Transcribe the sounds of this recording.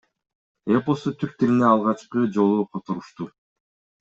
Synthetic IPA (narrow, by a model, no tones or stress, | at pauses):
eposot̪ʰyk̚t̪iɾineɑlˠʁɑt͡ʃqɯd͡ʒo̞lˠuqʰot̪oɾuʃt̪u